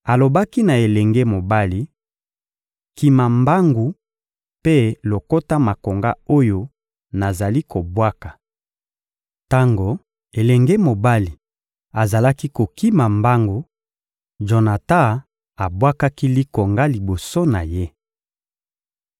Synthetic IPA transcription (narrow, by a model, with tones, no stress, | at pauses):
a˨lo˨ba˦ki˦na˨e˨lɛ˨ŋɡɛ˦mo˨ba˦li˨ | ki˨ma˨mba˦ŋɡu˨ | pe˦lo˨ko˦ta˦ma˨ko˨ŋɡa˦o˦jo˦ | na˨za˨li˦ko˨bwa˦ka˨ | ta˦ŋɡo˨ | e˨lɛ˨ŋɡɛ˦mo˨ba˦li˨ | a˨za˨la˦ki˦ko˨ki˦ma˨mba˦ŋɡo˨ | ʒo˨na˨ta˦ | a˨bwa˦ka˦ki˦li˦ko˨ŋɡa˦li˨bo˨so˦na˨je˦